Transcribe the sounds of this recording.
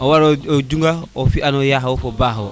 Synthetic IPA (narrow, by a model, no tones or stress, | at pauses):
owaɾood͡ʒuŋɡaofianojaɦwofobaːɦo